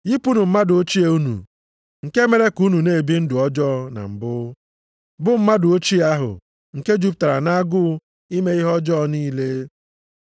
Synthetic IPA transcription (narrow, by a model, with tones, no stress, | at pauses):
i˦pu˦nʊ˨m̩˦ma˦dʊ˨o˦t͡ʃi˦e˨u˦nṵ˨ | ŋ̩˨ke˦me˨ɾe˦ku˦nu˨ne˦˨bi˦n̩˦dʊ˨ɔ˦d͡ʒɔ˦˨na̰˨m̩˨bʊ˦ | bʊ˦m̩˦ma˦dʊ˨o˦t͡ʃi˦a˦ɦʊ̰˨ | ŋ̩˨ke˦d͡ʒu˨˦p̬ta˨ɾa̰˨na˦a˦ɡʊ˦ | i˦me˦i˦ɦɔ˦d͡ʒɔː˦niː˦le˦